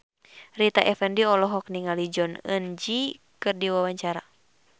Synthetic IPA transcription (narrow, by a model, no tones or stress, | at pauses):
rit̪aʔɛfɛndiɔlɔɦɔk̚niŋalid͡ʒɔnə̰nd͡ʒi | kɨrdiwawaɲt͡ʃaɾa